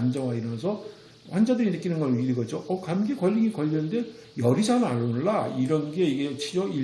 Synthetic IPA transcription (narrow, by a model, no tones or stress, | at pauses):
nd͡ʑʌŋaiɾʌnsʰʌ | ɸwand͡ʑadɯɾinɯk͈inɯnɡʌɭɥidɯɡʌd͡ʑoʌkamɡekʌʎːiɡikʌʎːinɯnde | jʌɾisʰanaɭːonɭːaiɾʌnɡe̞iɡet͡ɕʰid͡ʑoi